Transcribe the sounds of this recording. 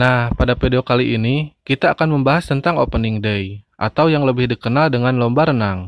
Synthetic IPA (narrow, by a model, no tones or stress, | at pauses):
nahpadapedeokaliʔinikit̪aːkanməmbaɦast̪ənt̪aŋopəniŋdəjʔa̰t̪awjaŋləbɪhdikənaldəŋanlɔmbaɾənaŋ